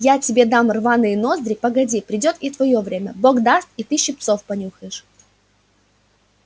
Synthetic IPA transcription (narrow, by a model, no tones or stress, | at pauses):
jatʲɪbʲe̞d̪amrvanɨjəno̞zd̪ɾʲɪpəɡɐdʲipɾʲɪdʲo̞t̪it̪vɐjo̞vɾʲemʲəboɡd̪ast̪̚it̪ɨɕɪp̚t̪so̞fpɐnʲuxəjɪʂ